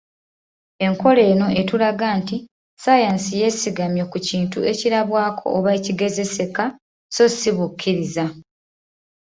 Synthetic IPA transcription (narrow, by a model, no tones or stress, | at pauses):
e̞ŋko̞le̞ːno̞ʔe̞tulaɡaːnti | sajansije̞ːsiɡamjo̞kuciːntue̞ciɾaβwaːkʰo̞̰ːβaeciɡe̞ze̞se̞ka | so̞siβukʰːiɾiza